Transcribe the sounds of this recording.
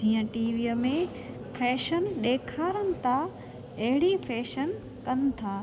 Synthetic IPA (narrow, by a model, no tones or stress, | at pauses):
d͡ʑiːə̃ʈiːʋijəmẽ | fʰɛːʃənɗeːkʰaːɾənɪ̆t̪ʰa | ɐɦɪɽifɛːʃən | kɐnɪ̆t̪ʰaː